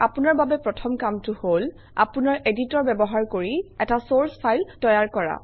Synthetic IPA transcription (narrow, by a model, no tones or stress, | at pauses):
apunaɹbabɛpɹɔtʰɔmkamtʊhol | a̰punaɹʔeditɔɹbɛbɔɦaɹkoɹiɛtasoɹspʰajltɔjaɹkɔɹa̰